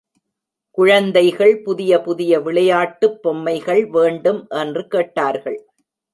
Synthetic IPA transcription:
kʊɻɐnd̪ɐɪɣɐɭpʊðɪjɐpʊðɪjɐʋɪɭɐjaːʈːɯpːɔmːɐɪɣɐɭʋeːɳɖɯmʔɛndrɯkeːʈːaːɾɣɐɭ

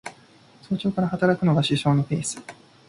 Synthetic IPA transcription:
so̞ːt͡ɕo̞ːkaɾahat̪aɾakɯ̟no̞ɡaɕiɕo̞ːno̞ɸeːsɨ̥

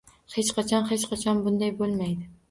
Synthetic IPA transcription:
het͡ʃqʰɑt͡ʃʰɒnhet͡ʃqʰɑt͡ʃʰɒnbʊnd̪ajbolˠmajd̪ɪ

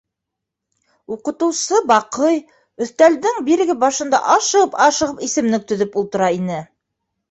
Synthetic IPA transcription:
uqɤ̆t̪ɤ̆wsɤbɑqɤj | ɵ̆θt̪æld̪ɘŋbiɾɘ̆ɡɘbɑʃɤ̆nd̪ɑ̰ʔɑʃɤpɑʃɤ̆ʁɤpisɘ̆mnɘk̚t̪ɵ̆ðɵpulˠt̪ɤ̆ɾɑinɘ

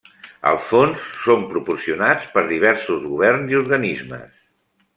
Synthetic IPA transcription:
ə̰lˠfonsːompɾupuɾsiunat͡spəɾðiβ̞ɛɾsuzɣuβ̞ɛrnziuɾɣənizmə̰s

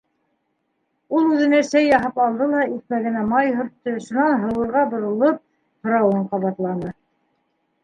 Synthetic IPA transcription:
ulˠʉðɘ̆næsæjːɑɦɑpɑlˠd̪ɤlˠɑiθmæɣɘ̆næmɑjɦŏɾt̪ːɤʃunɑnɦɤ̆wɤ̆ɾʁɑbŏɾɤ̆lˠɤp̚ | hŏɾɑwɤɴqɑβɑt̪lˠɑnɤ

